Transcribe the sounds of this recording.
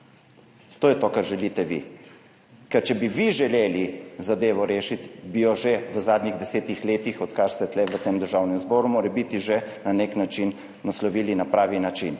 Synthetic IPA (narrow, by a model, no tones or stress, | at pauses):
t̪oːjɛt̪okaɾʒɛliːt̪ɛʋḭ | kɛɾt͡ʃɛbiʋiʒɛleːlizad̪eːʋɔɾeːʃit̪bijɔʒeʋəzaːd̪niɣd̪ɛseːt̪ixleːt̪ixɔt̪kaɾst̪ɛt̪lɛʋət̪eːmd̪əɾʒaːwnɛmzbɔːɾumoːɾɛbit̪iʒenaneknat͡ʃinː | aslɔʋiːlinapɾaːʋinat͡ʃin